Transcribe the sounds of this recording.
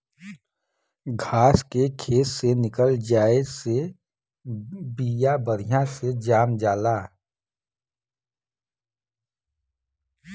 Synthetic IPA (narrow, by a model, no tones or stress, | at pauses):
ɡʱaːskekʰeːt̪senɪkəld͡ʒaːese | biːjabəɾijãsed͡ʒaːmd͡ʒaːlaː